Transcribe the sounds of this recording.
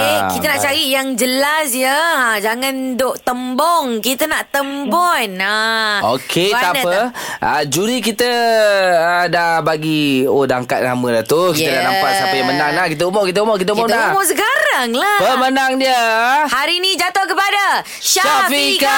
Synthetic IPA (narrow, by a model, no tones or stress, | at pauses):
ekit̪ənaʔt͡ʃaɾiʔjaŋd͡ʒəlasjəad͡ʒaŋandoʔt̪əmbɔŋkit̪ənaʔt̪əmbɔnaokʰebat̪anəʔəd͡ʒuɾik̬it̪ə | ədahbaɡiodaŋkat̪̚na̰məlaht̪ukit̪ədanabat̪sampajmənaŋnahkit̪̬əumɔʔkit̪̬əumɔʔk̬it̪̬əumɔtamɔʔs̬əɡaɾaŋlabəmənaŋdiəhaɾinid͡ʒat̪ohkəpada | ʃaafiik